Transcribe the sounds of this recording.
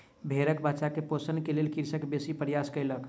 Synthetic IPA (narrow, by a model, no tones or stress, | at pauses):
bʱeɾəkbat͡ʃakeposənkelelkiɾsəkbesipəɾjaskəɪlək